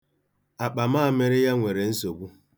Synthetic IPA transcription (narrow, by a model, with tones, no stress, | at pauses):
a˨k͡pa˨maː˦˨me˦ɾɪ˦ja˦ŋʷe˨ɾe˨n̩˦so˨bu˦